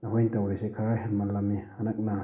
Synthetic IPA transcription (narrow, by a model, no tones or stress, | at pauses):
naɦojntawɾisekʰaɾaɦenmalamianak̚na